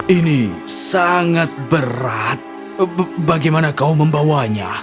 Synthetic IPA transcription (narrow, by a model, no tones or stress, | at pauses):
inisaŋat̪̚bəɾat̪̚ | baɡajmanakauməmbawaɲa̰